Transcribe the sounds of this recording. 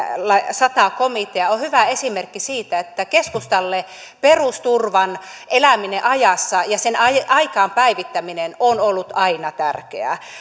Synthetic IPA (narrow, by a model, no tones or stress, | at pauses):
lɑsɑt̪ɑkomit̪eɑohyʋæesimerkːisiːt̪æet̪ːækeskust̪ɑlːe | perust̪urʋɑnʔelæmineʔɑjɑsːɑjɑsenɑjɑikɑːmpæiʋit̪ːæminenonolːut̪ɑinɑt̪ærkḛæ̰